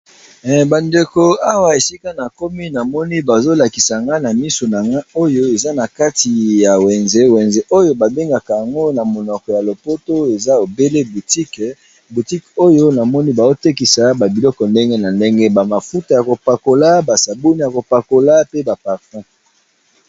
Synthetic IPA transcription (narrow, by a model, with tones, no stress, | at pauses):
ba˨nde˨ko˨a˦wa˨e˨si˦ka˦na˨ko˦mi˦na˨mɔ˦ni˦ba˨zo˦la˨ki˨sa˨ŋɡa˦na˨mi˦so˨na˨ŋɡa˦o˦jo˦e˨za˦na˨ka˦ti˨ja˨wɛ˨nze˦wɛ˨nze˦ʔo˦jo˦ba˨be˦ŋɡa˨ka˨ja˨ŋɡo˦na˨mo˨nɔ˨kɔ˨ja˨lo˨po˦to˦e˨za˦o˨be˦le˦bu˨ti˦k | bu˨ti˦ko˦jo˦na˨mɔ˦ni˦ba˨zo˦te˦ki˨sa˨ba˨bi˨lɔ˦kɔ˨nde˦ŋɡe˦na˨nde˦ŋɡe˦ba˨ma˨fu˦ta˨ja˨ko˨pa˨ko˨la˦ba˨sa˨bo˦ni˦˨ja˨ko˨pa˨ko˨la˦pe˦ba˨pa˨ʁtã˦